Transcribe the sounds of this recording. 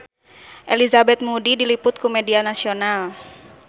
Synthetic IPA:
ʔɛlizabɛt̪̚mudidilipʊt̪̚kumɛdianasional

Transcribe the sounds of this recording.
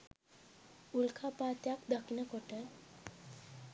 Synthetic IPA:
ulkʰapaːt̪jakd̪akinəkoʈə

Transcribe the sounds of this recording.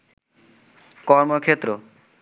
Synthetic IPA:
kɔɾmoɾkʰet̪ːɾo

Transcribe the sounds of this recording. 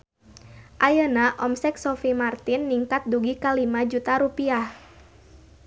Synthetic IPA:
ʔajənaʔɔmsɛk̚sɔfimart̪inːiŋkat̪̚duɡikalimad͡ʒut̪aɾupiah

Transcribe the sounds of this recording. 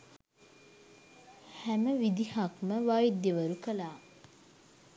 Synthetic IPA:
hæməʋid̪ihakməʋaːid̪ːjeʋəɾukəlaː

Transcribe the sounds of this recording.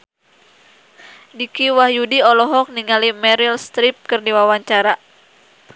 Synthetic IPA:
dikiwahjudiɔlɔɦɔk̚niŋalimɛɾilst̪ɾip̚kərdiwawaɲt͡ʃaɾa

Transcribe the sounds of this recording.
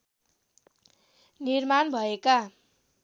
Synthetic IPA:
nirmanbʱʌeka

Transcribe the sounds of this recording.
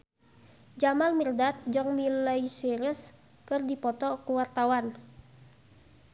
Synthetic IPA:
d͡ʒamalmirdat̪̚d͡ʒɔŋmilaisiɾəs | kɨrdipɔt̪ɔkuwart̪awan

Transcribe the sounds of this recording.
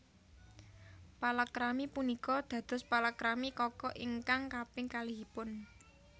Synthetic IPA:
palakɾamipunikɔd̪̥ä̤d̪̥ɔ̤spalakɾamikɔkɔʔiŋkaŋkapɪŋkaliɦipʊn

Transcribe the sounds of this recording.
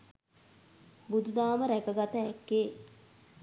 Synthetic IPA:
bud̪ud̪aːməɾækəɡat̪əækːeː

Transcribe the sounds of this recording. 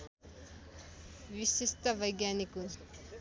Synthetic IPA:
ʋisist̪ʰɐʋɐjɡjaniku

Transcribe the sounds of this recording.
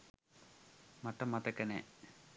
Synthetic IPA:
mɐʈːɐmːɐt̪ɐkːɐne

